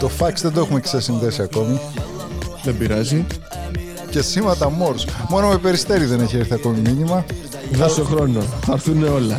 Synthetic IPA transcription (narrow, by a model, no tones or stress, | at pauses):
t̪o̞fɐksðend̪oe̞xumeksɐsind̪esiɐko̞mi | ðembiɾɐzi | ce̞simɐt̪ɐmo̞ɾsmo̞nomepe̞ɾist̪e̞ɾiðe̞ne̞çieɾθiɐko̞miminimɐ | ðosoxɾo̞noɐɾθuneo̞lɐ